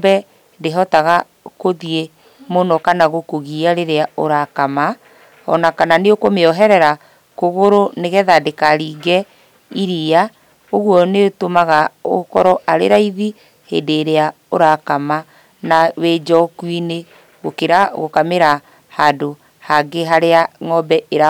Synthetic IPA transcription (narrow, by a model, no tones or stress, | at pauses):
bɛ | deɦɔtaɣa | koðie | monɔkanaɣokoɣiaɾeɾeaoɾakama | ɔnakananeokomeɔɦɛɾɛɾa | koɣoɾoneɣɛðadekaɾiːɡɛ | iɾia | oɣwɔnetomaɣaokɔɾɔʔaɾḛɾaiði | hḛdeːɾea | oɾakama | nawed͡ʒɔkwine | ɣokeɾaɣokameɾa | hado | haɡeɦaɾeaŋɔbɛeɾa